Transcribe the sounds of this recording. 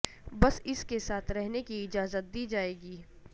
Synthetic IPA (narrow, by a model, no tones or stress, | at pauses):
bɐsɪskesaːt̪ʰɾɛɦnekiɪd͡ʒaːzət̪̚d̪iːd͡ʒaːeːɡiː